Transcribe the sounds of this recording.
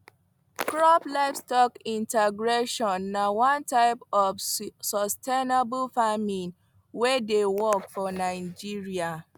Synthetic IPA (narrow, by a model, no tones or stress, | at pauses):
kɹɔplaɪfstɔkĩntaɡɹeʃɔ̃nːawãntaɪpɔfsɔstenabulfamĩn | wedewɔkfɔnaɪd͡ʒiɹia